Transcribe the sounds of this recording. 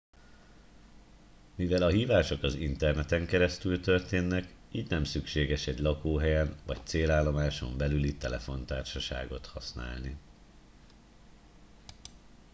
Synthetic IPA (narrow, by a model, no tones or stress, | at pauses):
mivɛlɒɦiːvaːʃo̞kɒzint̪ɛrnɛt̪ɛŋkɛɾɛst̪ylt̪ø̞rt̪eːnːɛk | iːɟnɛmsykʃeːɡɛʃɛɟlɒkoːɦɛjɛnvɒ̰ct̪seːlaːlːo̞maːʃo̞̰mbɛlylit̪ɛlɛfo̞nt̪aːrʃɒʃa̰ːɡo̞t̪hɒsna̰ːlni